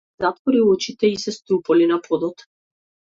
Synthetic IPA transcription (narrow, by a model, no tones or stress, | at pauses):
zat̪vɔɾiɔt͡ʃit̪ɛisɛst̪ɾupɔlinapɔd̪ɔt̪